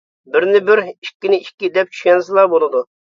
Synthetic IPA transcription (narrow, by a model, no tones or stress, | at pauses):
bɪɾnɪbɪɾiʃkʲːɪnɪiʃʲkʲːid̪ɛp̚t͡ʃʰy̥ʃkʲɛnsɨlˠɑɾbolˠɨd̪u